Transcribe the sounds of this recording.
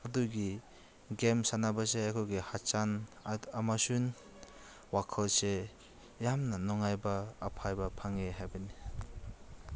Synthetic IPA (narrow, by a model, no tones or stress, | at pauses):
aduɡi | ɡemsanabaseakʰoɡihat͡ʃanamasun | wakʰʌlse | jamnɐnɔŋajbɐːpʰajbɐpʰaŋeɦajbɐni